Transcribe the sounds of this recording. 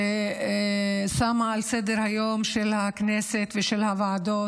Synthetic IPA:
e | samaalsed̪eʁhajo̞mʃelhakneset̪veʃelhavaad̪o

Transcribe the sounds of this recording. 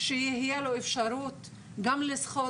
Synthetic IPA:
ʃejihijeloefʃaɾut̪ | ɡamlesχo

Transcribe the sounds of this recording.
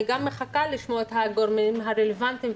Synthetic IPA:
ɡamːeχakaliʃmoet̪haɡoɾmimɦaʁelevant̪im

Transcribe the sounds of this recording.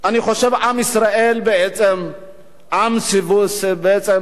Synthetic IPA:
aniχo̞ʃevʕamisʁaʔelbeet͡sem | ʔamsivusbeet͡sem

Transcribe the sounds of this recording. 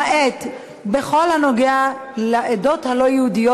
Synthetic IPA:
ʔet̪ | beχo̞lhano̞ɡealeʔedo̞t̪halo̞jeudijo

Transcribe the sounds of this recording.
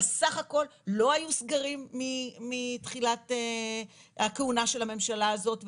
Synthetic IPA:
esaχako̞llo̞ajusɡaʁimːiːit̪χilat̪e | hakeunaʃe̞lame̞mʃalaːzo̞t̪v

